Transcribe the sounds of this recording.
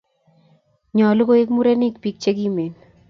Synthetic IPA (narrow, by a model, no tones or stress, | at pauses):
ɲɔːlukoekmuɾɛnik̚pik̚t͡ʃekimen